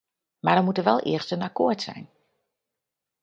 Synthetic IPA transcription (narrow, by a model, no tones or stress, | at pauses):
maɹdɔmutəʋɛ̰lˠʔɪ̰əɹstənakoːɹtsɛ̰jn